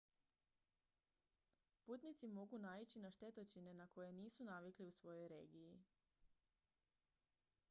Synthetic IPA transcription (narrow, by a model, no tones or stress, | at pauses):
puːt̪nit̪simo̞ɡunaːit͡ɕinaʃt̪e̞t̪ot͡ʃine̞nako̞jeniːsunaʋikliusʋo̞jo̞jɾeːɡiji